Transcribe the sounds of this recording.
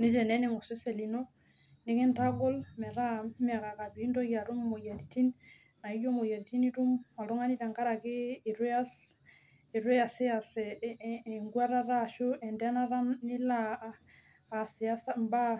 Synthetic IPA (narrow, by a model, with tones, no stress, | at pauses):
ni˦tɛ˨nɛ˦ni˦˨ŋo˨se˦se˨li˨no˦ | ni˨˦ki˦nta˦ɡɔ˦lmɛ˨ɾa˦mi˦a˨ka˨ka˨bi˨˦ndo˦ɡa˨ɾu˦mːo˨ja˨di˨ti˦n | na˨i˦d͡ʒo˦mo˨ja˨di˨ti˦ni˦tu˦ma˨lu˦ŋa˦ni˦ta˨ŋka˦ɾa˨kiː˦˨ɾɛ˦a˦s | i˨ɾwɛ˦a˨si˦a˨sɛ˨ | ŋɡwa˦ɾa˦ɾa˦˨ʃo˦ʔɛ˨ndɛ˦na˦ɾa˦nːi˦la˨ | si˨a˦samba˦